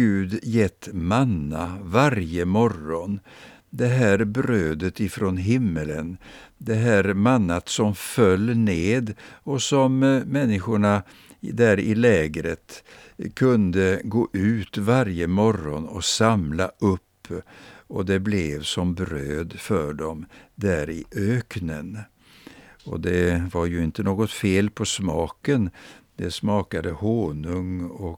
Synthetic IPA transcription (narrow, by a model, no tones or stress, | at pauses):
ʉ̟ːd̪jɛt̪ːmanːavaɾjəmɔɾɔn | d̪ɛɦæːɾbɾøːd̪ət̪ɪfɾonɦɪmːələnd̪ɛɦæːɾmanːat̪sɔmfœlːneːd̪ɔsɔmːɛnːɪɧʊɳa | d̪æɾɪlɛːɡɾət̪ | kʰɵnd̪əɡoːʔʉ̟ːt̪vaɾjəmɔɾɔnɔsamlaʔɵpːɔd̪ɛblɛvsɔmbɾøːd̪fœɖɔmd̪æɾɪʔøːknən | ɔ̰d̪ɛvaɾjɵɪnt̪ənoːɡɔt̪feːlpʰɔsmɑːkənd̪ɛsmɑːkad̪əhoːɳɵŋɔ